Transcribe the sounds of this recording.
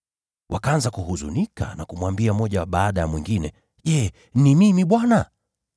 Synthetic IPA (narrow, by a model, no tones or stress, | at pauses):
wʔakaanzakuhuzṵnika̰nakumwambiamɔʄaɓaːɗajamwiŋɡinɛ | ʄɛ | nimimiɓwana